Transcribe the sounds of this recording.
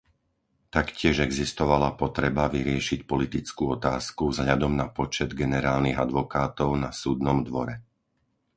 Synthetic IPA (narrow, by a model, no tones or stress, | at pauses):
t̪akcɪɛʒɛɡzist̪ɔʋalapɔt̪ɾɛbaʋiɾɪɛʃicpɔlit̪it͡skuɔt̪aːskuvzɦʎad̪ɔmnapɔt͡ʃɛd̪ɡɛnɛɾaːlniɣad̪ʋɔkaːt̪ɔʊnasuːd̪nɔmd̪ʋɔɾɛ